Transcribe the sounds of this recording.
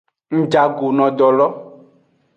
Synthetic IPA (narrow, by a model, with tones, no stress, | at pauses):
ŋ̩̃˨d͡ʒa˨ɡo˨nɔ̃˨ɖɔ˨lɔ˦